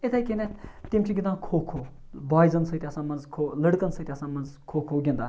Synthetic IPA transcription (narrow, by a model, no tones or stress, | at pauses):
it̪ʰajkʲenet̪imʲt͡ʃʰiɡʲind̪ãːkʰoːkʰo | baːjzɐnsɨt̪ʲɐsãːmɐnzkʰoləɽkɐnsət̪ʲɐsãːmɐnzkʰoːkʰoːɡʲind̪a